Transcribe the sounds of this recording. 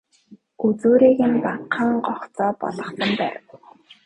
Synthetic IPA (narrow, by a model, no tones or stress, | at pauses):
ut͡suːɾiːɣɘ̆npaqʰaːɴɢɔχt͡sɔːpɔ̰ɮɞ̆χsə̆mpæːrə̆w